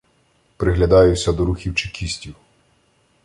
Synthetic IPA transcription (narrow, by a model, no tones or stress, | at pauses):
pɾɪɦlʲɐd̪ɑjʊsʲɐd̪ɔɾuxʲiwt͡ʃɪkʲʰisʲtʲiw